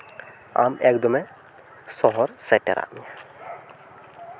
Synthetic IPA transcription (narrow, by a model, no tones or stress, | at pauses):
a̰ːmeːkd̪ɔmɛ̃ | sɔɦɔɾsɛʈḛɾa̰ːmɛ